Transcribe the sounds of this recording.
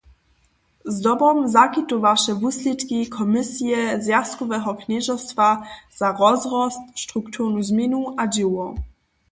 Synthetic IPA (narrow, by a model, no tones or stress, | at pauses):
zdɔbɔmzakit̪uvaʃɛvuslʲit̪kikʰɔmɪsijɛzjast̪̚kɔvɛɦɔkɲɛʒɔst̪vaz̥aʁɔzʁɔst̪ʃtʁukt̪ʰuʁnuzmjɛnuʔad͡ʑiwɔ